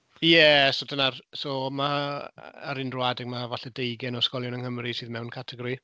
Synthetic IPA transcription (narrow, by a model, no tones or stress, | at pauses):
jɛsodənarsɔmaː | ɾɪndrwadɪɡmavaɬɛdejɡɛnɔskɔljɔnənhəmrisiːðmɛwnkʰatʰɛɡɔɾi